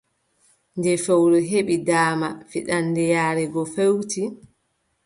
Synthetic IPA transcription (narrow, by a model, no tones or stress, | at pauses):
ndɛfewɾɔɦeɓidaːmafiɗandɛjaːɾɛɡɔfewti